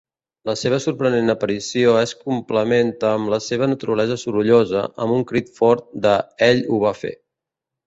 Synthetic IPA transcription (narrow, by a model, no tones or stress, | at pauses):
ləseβ̞əsuɾpɾənenəpəɾisioeskumpləment̪əːmləseβ̞ənət̪uɾəlɛzəsuɾuʎozə̰ə̰muŋkɾit̪fɔɾt̪̚d̪əɛʎuβ̞afḛ